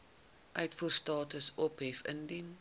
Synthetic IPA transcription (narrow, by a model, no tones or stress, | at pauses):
ʔœɥtfuːrstɑːtəsɔpɦɛfə̰ndin